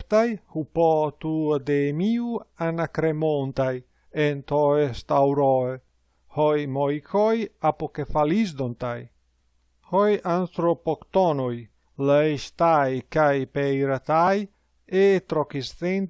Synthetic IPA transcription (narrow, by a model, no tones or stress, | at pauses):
t̪ajhupɔt̪ud̪emiuanakɾemont̪aj | ent̪ɔest̪awɾɔe | hojmojkʰɔjapokefalizd̪ont̪aj | hɔjant̪ɾopokt̪ɔnoj | laiʃt̪ajkajpejɾat̪aj | et̪ɾokisθen